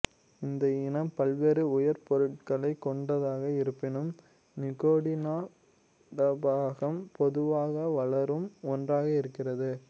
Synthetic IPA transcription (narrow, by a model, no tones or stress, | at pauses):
ɪnd̪ɐɪnɐmpɐlʋeːɾɯʊjɐɾpɔɾɯʈ̚kɐɭɐɪkːɔɳɖɐðaːɣɐɪɾɯpːɪnɯm | nɪkoːɽɪnaː | ɾɐbaːɣɐmpɔðɯʋaːɣɐʋɐɭɐɾɯmɔndraːɣɐɪɾɯkːɪrɐðɯ